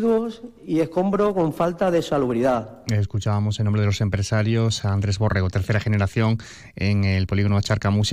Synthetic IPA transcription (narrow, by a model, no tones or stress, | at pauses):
ðos | ie̞hko̞mbɾoko̞ɱfalt̪aðe̞saluβɾiða | eskut͡ʃaβamo̞senõmbɾe̞ðo̞se̞mpɾe̞saɾjo̞saaːnd̪ɾe̞zβo̞rʔeɣot̪e̞ɾθe̞ɾaχe̞ne̞ɾaθjo̞ŋ | eŋelpo̞liɣo̞noat͡ʃaɾkamus